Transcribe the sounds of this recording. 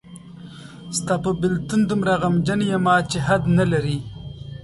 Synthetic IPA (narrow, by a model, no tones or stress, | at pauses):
st̪apəbɪlt̪und̪əmɾaɣamd͡ʒanjamɑt͡ʃeɦad̪nalaɾi